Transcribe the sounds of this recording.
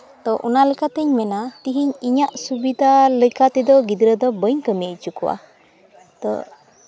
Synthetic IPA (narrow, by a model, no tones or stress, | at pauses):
t̪ɔʔṵnalɛkat̪ɛɲmɛnat̪iɦiɲiɲaʔsubid̪ʱalɛkat̪ɛd̪ɔɡid̪ɾəd̪ɔbəɲkəmit͡ʃukuwa̰ | t̪ɔ̰